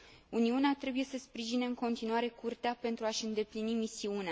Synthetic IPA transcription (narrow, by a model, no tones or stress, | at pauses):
uniuneat̪ɾe̞buje̞səspɾiʒineɨŋko̞nt̪inuaɾe̞kurt̪eape̞nt̪ɾuaʃɨnd̪e̞plinimisiunea